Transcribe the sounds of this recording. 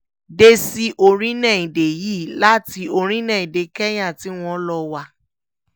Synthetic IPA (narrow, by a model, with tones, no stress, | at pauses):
de˦si˦ʔo˧ɾ̃ĩ˦nɛ̃˦˨ĩ˨de˨jiː˨˦la˦ti˧o˧ɾ̃ĩ˦nɛ̃˦˨ĩ˨de˨˦kɛ˦j̃ã˦˨ti˨˦w̃ɔ̃˧˦lɔ˧wa˧